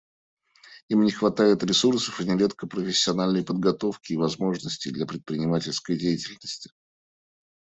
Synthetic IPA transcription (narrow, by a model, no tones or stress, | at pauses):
imnʲɪxvɐt̪ajɪt̪ɾʲɪsursə̥fɨnʲɪɾʲe̞t̪kəpɾəfʲɪsʲːɪɐnalʲnəjpəd̪̚ɡɐt̪o̞fkʲɪːvɐzmo̞ʐnəsʲtʲɪjd̪lʲɐpɾʲɪt̪̚pɾʲɪnʲɪmatʲɪlʲskəjdʲejɪtʲɪlʲnəsʲtʲɪ̥